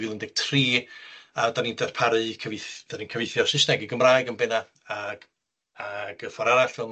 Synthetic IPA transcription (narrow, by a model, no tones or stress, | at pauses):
vɨlˠəndɪɡ̥̚tʰriːadanindɛrpʰaɾɨkʰəvɪθd̥aninkʰəvɪθjɔsɪsnɛɡiɡəmrajɡənbɪna | aɡ | aɡ̥əfɔɾaɾaɬfɪlˠm